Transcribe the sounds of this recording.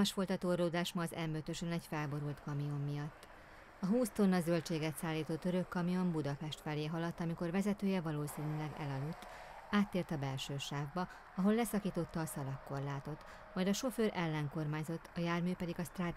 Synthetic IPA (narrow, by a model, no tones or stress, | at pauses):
ɒʃfo̞lt̪ɒt̪oːroːd̪aːʃmɒːzɛmːøt̪ø̞ʃønɛɟfɛlbo̞ɾult̪kɒmijo̞mːijɒt̪ː | ɒɦuːst̪onːɒzølt͡ʃeːɡɛt̪saːlːiːt̪oːt̪ːøɾø̞kːɒmijo̞mbud̪ɒpɛʃt̪fɛleːɦɒlɒt̪ːɒmiko̞rvɛzɛt̪øːjɛvɒloːsiːnylɛɡɛ̰lɒlut̪ː | aːt̪ːeːrt̪ɒbɛlʃøːʃaːvbɒ | ɒɦo̞lːɛsɒkiːt̪o̞t̪ːɒːsɒlɒkːo̞rlaːt̪o̞t̪ | mɒjd̪ɒʃo̞føːɾʔɛlːɛŋko̞rmaːɲzo̞t̪ːɒjaːrmyːpɛd̪iɡɒst̪raːd̪